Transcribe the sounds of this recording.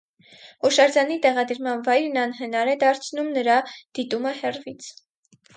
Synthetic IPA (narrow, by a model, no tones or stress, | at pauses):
hɔʃɑɾd͡zɑnit̪ɛʁɑd̪əɾmɑnvɑjɾnɑnɦənɑɾɛd̪ɑɾt͡sʰnumnəɾɑd̪̥it̪uməhɛrvit͡sʰ